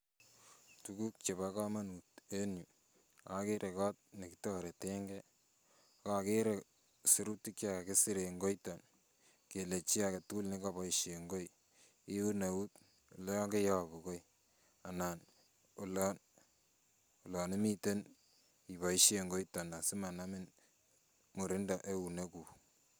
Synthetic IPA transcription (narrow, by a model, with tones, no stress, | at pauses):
tuku˦k̚t͡ʃe˨baka˦ma˦nu˨te˦nju˨ | a˨ke˦ɾʔe˨kɔ˦t̚ne˨kitɔ˦ɾe˨te˦ŋɡɛ˦ | ka˨ke˦ɾe˨ | se˨ɾu˦ti˦k̚t͡ʃaka˨ke˦si˦ɾe˨ŋɡo˦jtɔ˨n | ke˨le˨t͡ʃi˦a˨ke˨tu˦lne˦ka˨bɔ˨iʃe˨ŋɡo˦j | ɪ˦u˦ne˨u˦t | lɔ˦ŋɡe˦ja˦˨bu˨ko˦i | a˨na˨n | o˨lɔ˦n | o˨lɔ˨ni˦mi˦te˦n | i˨βɔ˨i˦ʃe˨ŋɡo˦jtɔ˨na˨si˦ma˨na˦mɪ˦n | mu˨ɾɪ˦nda˨ʔe˦u˨ne˦ku˨